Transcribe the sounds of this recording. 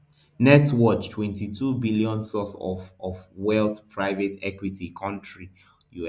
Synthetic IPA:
nɛtwɔt͡ʃtʰwɛ̃ntitʰubiliɔ̃nsɔsɔɔvwɛlθpʰɹaɪvetʰɛkwitikʰɔ̃ntɹi | ju

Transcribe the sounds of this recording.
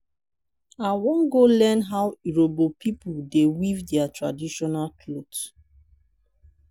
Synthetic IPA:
awɔ̃nɡolɛnɦawiɹobopipudewivdɛatɹa̰diʃɔnalkʰlods

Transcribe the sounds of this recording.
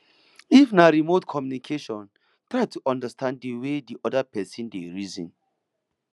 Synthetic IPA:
ifnaɹimotkʰɔmjunikʰeʃɔ̃n | tɹajtʰuʔɔ̃ndəstʰãnd̚dəwediʔɔdəpʰɛsĩndeɹizḭ̃n

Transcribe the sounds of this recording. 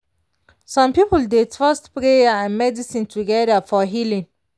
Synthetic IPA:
sãmpipəldetfastpɾejaãnmɛdisĩntʰuɡɛdəfɔɦilĩn

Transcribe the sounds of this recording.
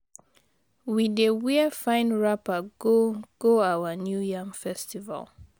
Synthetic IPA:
widewiəfãɪ̃nɹapaɡoɡ̥oawanjujamfɛstiva̰l

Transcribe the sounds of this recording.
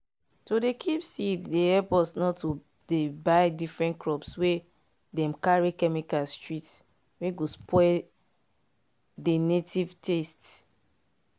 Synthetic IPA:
todekʰipsiddehɛlpɔsnɔtːo | debaɪdifɹɛ̃ntkɹɔpswe | dɛ̃mkaɹikɛmikalstɹits | weɡospʰɔɪl | denetivtests

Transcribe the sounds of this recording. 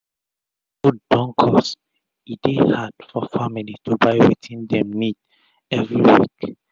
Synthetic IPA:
ɡudːɔ̃ŋkʰɔs | idehadfɔfamilitubaɪwḭtʰĩndɛ̃mnid | ɛvɹiwḭk

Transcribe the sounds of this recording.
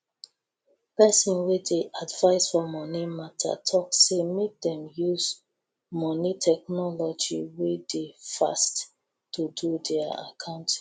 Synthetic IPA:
pɛsɔ̃nwedeʔadvaɪsfɔmɔnimatʰa̰tʰɔksemek̚dɛ̃mjuz | mɔnitʰɛk̚nɔlɔd͡ʒḭwedefa̰st | tːududɛaa̰kʰãʊ̃nt

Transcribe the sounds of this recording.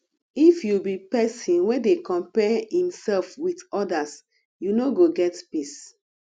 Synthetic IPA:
ifjubipɛsĩnwɛdekɔ̃mpɛhĩmsɛlfwitɔdas | junoɡoɡɛtpis

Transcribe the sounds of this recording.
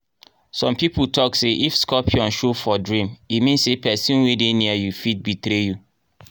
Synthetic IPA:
sɔ̃mpiputʰɔkseʔifskɔpʰiɔ̃nʃofɔdɹĩmimĩnsepɛsĩnwedeniajufit̚bitɾeju

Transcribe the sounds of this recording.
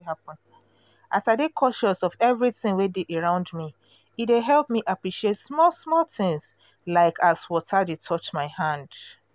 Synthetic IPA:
hapɔ̃n | ʔasaɪdekʰɔʃɔsɔvɛvɹiθɪ̃ŋwedeʔəɹãʊ̃ndmi | ideɦɛlˠp̚miʔapɹiʃietsmɔlsmɔltɪ̃ŋs | laɪkʰaswɔtʰadetʰɔt͡ʃmaɪhãnd

